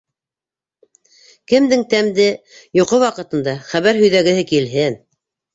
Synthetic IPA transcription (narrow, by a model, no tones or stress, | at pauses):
kɘ̆md̪ɘŋt̪æmd̪ɘ | juqɤwɑqɤ̆t̪ɤ̆nd̪ɑχæβæɾɦɵ̆jðæɡɘ̆hɘkilɦɘn